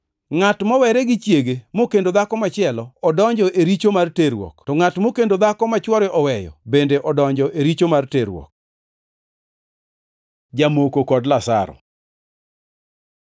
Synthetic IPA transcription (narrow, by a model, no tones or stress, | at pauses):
ŋatmɔwɛɾɛɡɪt͡ʃjeɡemokendod̪akɔmat͡ʃɪɛlɔːdɔɲd͡ʒɔʔeɾit͡ʃomarteɾwɔ̰ktɔŋatmokendod̪akɔmat͡ʃwɔɾɪʔɔwɛjɔ̰bendeʔɔdɔɲd͡ʒɔʔeɾit͡ʃomarteɾwɔ̰k̚ | d͡ʒamokokɔdlasa̰ɾɔ̰